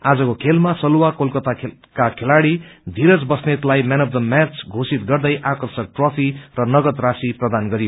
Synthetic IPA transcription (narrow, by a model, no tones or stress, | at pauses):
ad͡zʌkokʰelmasʌluwakolkʌt̪akakʰelaɽid̪ʱiɾʌd͡zbʌsnet̪lajmanʌpd̪ʌmat͡sʰɡʱosit̪ɡʌrd̪ʌjʔakʌrsʌk̚ʈropʰirʌnʌɡʌt̪rasiprʌd̪anɡʌɾijo